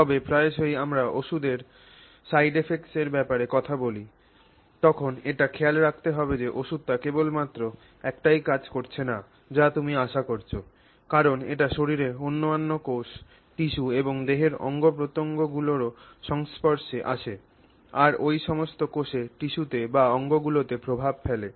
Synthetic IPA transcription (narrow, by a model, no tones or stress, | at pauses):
ɔbepɾaeʃojamɾaʔoʃud̪eɾ | sajɖefekseɾbɛpaɾekɔt̪ʰaboli | t̪ɔkʰoneʈakʰɛalɾak̚ʰt̪eɦɔbed͡ʑeʔoʃud̪̚t̪akebolmat̪ːɾo | ɛkʈajkad͡ʑkoɾt͡ɕʰena | d͡ʑat̪umiaʃakoɾt͡ɕʰo | kaɾoneʈaʃoɾiɾeonːomanːokoʃ | ʈiʃueboŋd̪eɦeɾɔ̰ŋɡopɾot̪oŋɡoɡuloɾoʃɔŋspoɾʃeʔa̰ʃʰe | aɾojʃɔmost̪okoʃeʈiʃut̪ebaɔŋɡoɡulot̪epɾobʱab̚fʰele